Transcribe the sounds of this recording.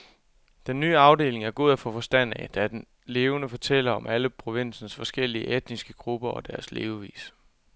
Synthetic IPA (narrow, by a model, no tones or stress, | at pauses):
d̥enːyːɑ̈ʊde̝̰ːle̝ŋæɐɡ̥o̝ð̰ˠæfɔ̽fɒ̽sd̥æn̰æd̥æd̥en | le̝ːʊnəfɒ̽t͡sʰel̰ɐɒ̽mæləpʰʁo̝ʋen̰sn̩sfɒ̽sɡ̥el̰iəʔed̥nisɡ̥əɡ̥ʁub̥ɐɒ̽d̥æɐslḛːʊʋḭːs